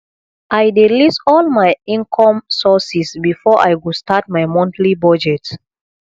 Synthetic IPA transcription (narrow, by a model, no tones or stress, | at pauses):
ʔajdilisɔlmajĩŋkʰɔ̃msɔsisbifɔʔa̰jɡustat̚majmɔ̃ntlibɔd͡ʒɛt